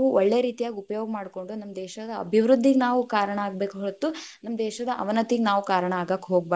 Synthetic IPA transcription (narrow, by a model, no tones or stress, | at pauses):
uɔɭːeːɾiːt̪ijaːɡʲiupɐjoːɡɐmaːɖko̞ɳɖunɐmːɐd̪ɛːʃɐd̪ɐɐ̰bʱiʋɾud̪ʱːiɡenaːʋukaːɾɐɳɐaːɡ̚be̞ːkuɦoɭt̪ːunɐmːɐd̪ɛːʃɐd̪ɐʔɐʋɐnɐt̪iɡenaːʋukaːɾɐɳɐaːɡaːkɦoːɡ̚ba